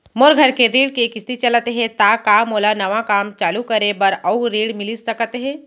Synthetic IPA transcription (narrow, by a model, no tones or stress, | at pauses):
moːɾɡʱɐɾkeɾiːɽkekɪst̪it͡ʃɐlət̪eɦɛ̃t̪akaːmoːlanɐʋakaːmt͡ʃaːlukɐɾebɐɾɐʊɾiːɽmɪlissɐkət̪eɦɛ̃ː